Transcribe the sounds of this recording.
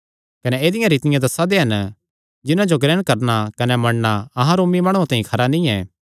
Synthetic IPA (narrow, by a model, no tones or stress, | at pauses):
kɐnɛeːd̪ɪjãɾiːt̪ɪjãd̪ɐsːad̪eɦɐn | d͡ʒɪnãd͡ʒoɡɾɛːɽ̃kɐɾnakɐnɛmɐɽnaɐɦãɾoːmimaːɽ̃uãt̪ãːɦĩkʰɐɾanĩɛː